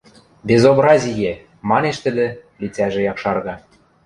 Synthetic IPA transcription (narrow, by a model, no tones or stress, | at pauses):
bʲezobɾɑzʲijĕ | mɑneʃt̪ɘ̆d̪ĕlʲit͡sæʒĕjɑkʃɑrɣɑ